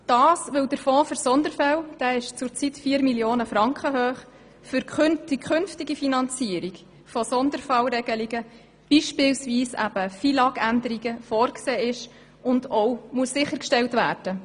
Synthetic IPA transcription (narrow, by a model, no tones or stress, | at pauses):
d̥ɑːsʋɪwd̥əɾfɔ̃ːfʏɾsɔnd̪əɾfɛld̥æːɪʃt͡sʊɾt͡sit̪fiːəɾmiljoːnəfɾɑŋkχəɦøːχ | fʏɾkχøntikʰχɵnftiɡifinɑnt͡siəɾik | fɔsɔnd̪əɾfɑlɾɛɡ̥əliɡə | b̥iʃpɪlsviːsæ̰b̥əfilɑɡændəɾiɡəfɔːɾkseːɪʃ | ʊnd̥ɔʊmuəsːɪχːəɾkʃtɛwtvæːɾd̥ə